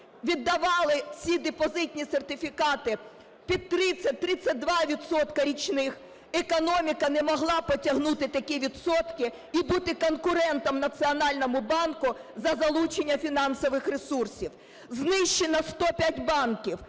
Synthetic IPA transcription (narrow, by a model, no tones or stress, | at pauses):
ʋʲid̪ːɐʋɑlˠɪsʲid̪epɔzɪtʲnʲisert̪ɪfʲikɑt̪ɪ | pʲid̪̚t̪ɾɪt͡sʲːɐt̪ɾɪt͡sʲːɐt̚ʲd̪ʋɑʋʲid̪sɔt̪kɐɾʲit͡ʃnɪx | ekɔnɔmʲikɐnɛmɔɦlˠɑpɔtʲɐɦnut̪ɪt̪ɐkʲiʋʲid̪sɔt̪kɪ | ibut̪ɪkɔnkʊɾɛnt̪ɔmnɐt̪sʲiɔnɑlʲnɔmʊbɑnkʊzɐzɐlˠut͡ʃenʲːɐfʲinɑnsɔʋɪxresursʲiw | znɪʃt͡ʃenɐst̪ɔpʲatʲbɑnkʲiw